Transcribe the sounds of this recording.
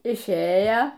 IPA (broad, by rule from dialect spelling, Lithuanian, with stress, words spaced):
ɪʃʲˈeːjɛ